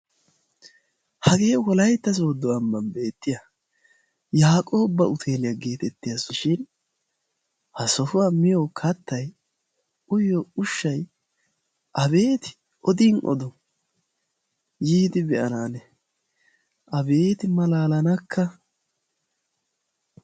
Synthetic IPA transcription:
hɐɡe̞ːwɔlɐjt̪ːɐs̬oːd̪ːɔwɐmːɐmbe̞ːt̪ːɪjɐ | jaːkʼo̞ːbːɐʊt̪ʰe̞ːlɪjɐɡe̞ːt̪ɛt̪ːɪjɐsʃɪn | hɐsɔfʊwamɪjokʰɐt̪ːɐj | ʊjɔʊʃːɐj | ʔɐbe̞ːt̪ɪ̥ | ʔɔd̪iːnʔɔ̰d̪ɔ | jiːd̪ɪbɛʔɐnaːnɛ | ʔɐbe̞ːt̪ɪmɐlaːlɐnɐkːɐ

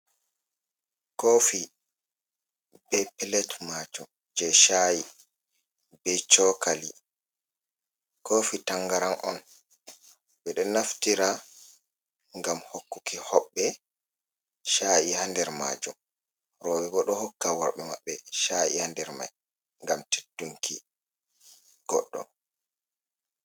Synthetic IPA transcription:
kofi | b̥ɛpɛlɛtmaːd͡ʒum | d͡ʒɛʃaji | bɛt͡ʃɔkali | kofitaŋɡaɾanʔɔ̰n | bɛɗɛnaftiɾa | ŋɡamhokːukʰihɔɓːɛ | ʃajihandɛɾma̰ːd͡ʒum | ɾɔbɛɡɔɗɔhɔkːawaɾɓɛma̰ɓːɛʃajḭhandɛɾma̰j | ŋɡamte̥dːuŋkʰḭ | ɡ̥ɔ̰ɗːɔ̰

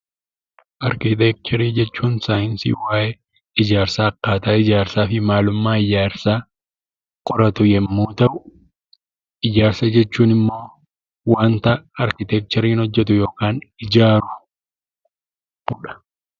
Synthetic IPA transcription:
ʔɐɾkɪt̪ɛk̚t͡ʃ̪ʰɛɾiːd͡ʒɛt͡ʃːuːnsaːjɪnsḭːwaːʔɛ | ɪd͡ʒaːɾsaːɐkːaːt̪aːɪd͡ʒaːɾsaːfɪmaːlʊmːaːɪd͡ʒaːɾsaː | kʼɔɾɐt̪ʊjɛmːuːt̪ɐʔʊ | ʔɪd͡ʒaːɾsɐd͡ʒɛt͡ʃːuːnɪmːo̞ː | waːnt̪ɐɐɾkɪt̪ɛk̚t͡ʃ̪ɛɾiːnɔd͡ʒːɛt̪ʊjo̞ːkaːnɪd͡ʒaːɾʊ | bʊᶑɐ̥

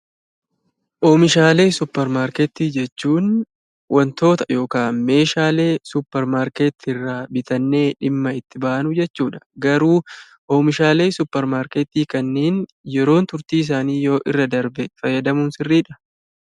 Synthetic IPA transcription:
ʔoːmɪʃaːle̞ːsʊpːɛɾmaːɾket̪ːiːd͡ʒɛt͡ʃːuːn | wʔɐnt̪o̞ːt̪ɐ̥jo̞ːkaːnme̞ːʃaːle̞ːsʊpːɛɾmaːɾkeːt̪ːɪrːaːbɪt̪ɐnːe̞ːᶑɪmːɐɪt̪ːɪbaːʔɐnʊd͡ʒɛt͡ʃːuːᶑɐ̥ɡɐɾuː | ʔoːmɪʃaːle̞ːsʊpːɛɾmaːɾket̪ːiːkɐnːeːn | jɛɾo̞ːnt̪ʊɾt̪iːɪs̬aːniːjo̞ːʔɪrːɐd̪ɐɾbɛfɐjːɐd̪ɐmuːnsɪrːiːᶑɐ̥

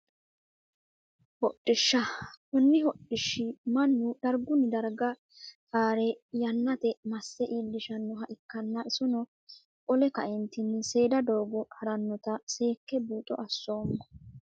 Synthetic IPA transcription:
hɔɗʼːɪʃːɐkʊnːɪhɔɗɪʃːɪmɐnːʊd̪̥ɐɾɡʊnɪd̪ɐɾɡɐ | kaːɾɛjɐnːɐt̪ɛmɐsːɛʔiːlːɪʃɐnːɔɦɐʔɪkːɐnːɐʔɪsʊnɔ | kʼɔlɛkɐʔɛnt̪ɪnːɪse̞ːd̪ɐd̪oːɡɔhɐɾɐnːɔt̪ɐse̞ːkːɛbuːt̪ʼɔ̰ʔɐsːo̞ːmːɔ

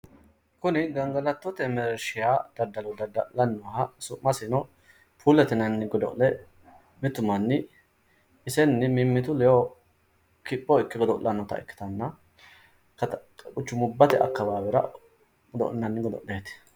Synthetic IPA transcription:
kʊnɪɡɐŋɡɐlɐt̪ːɔt̪ɛmɛɾʃɪjaːd̪̥ɐɾd̪ɐlɔd̪ɐd̪ɐlɐnːɔhɐsʊmɐsɪnɔ | pʰuːlɛt̪ɛnɐnːɪɡɔd̪ɔ̰ʔlɛ | mɪt̪ʊmɐnːɪ | ɪsɛnːɪmɪmːɪt̪ʊlɛjo | kɪpːɔɪkːɪɡɔd̪ɔʔlːɐnːɔt̪ɐ̰ɪ̰kːɪ̥t̪ɐnːɐ | kɐt̪ʼkʼʊt͡ʃːʊmʊbːɐt̪ɛʔɐ̰kːɐbaːbɛɾɐ̰ | ɡɔd̪ɔ̰ʔnɐnːɪɡɔd̪ɔ̰ʔleːt̪ɛ̥

